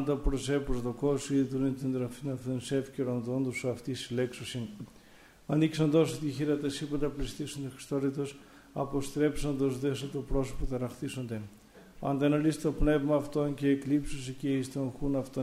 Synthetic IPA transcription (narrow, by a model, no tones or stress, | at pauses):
nd̪ɐpɾosepozðokosiðuɾnit̪ind̪ɾɐfinɐft̪onse̞fceɾond̪ond̪osuɐft̪isileksosin | ɐniksond̪osot̪içiɾɐt̪esipɐnd̪ɐplist̪isond̪exɾi̥st̪oɾit̪os | ɐpo̞st̪ɾe̞psond̪ozðeset̪opɾo̞so̥pot̪ɐɾɐxθiso̞nd̪e | ɐnd̪ɐnolist̪et̪opne̞vmɐːft̪o̞nceːklipsosece̞ist̪oŋxunɐft̪o